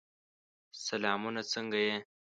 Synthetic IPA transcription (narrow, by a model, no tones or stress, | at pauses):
sɐlɑːmunat͡səŋɡaje